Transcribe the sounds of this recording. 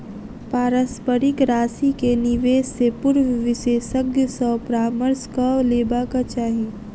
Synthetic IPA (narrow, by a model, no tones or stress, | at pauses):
paːɾəspəɾɪkɾaːsikenɪʋeːssepʊɾʋʋɪʃeːʃəɡjəsɔːpɾaːməɾskaleːbakat͡ʃaːɦi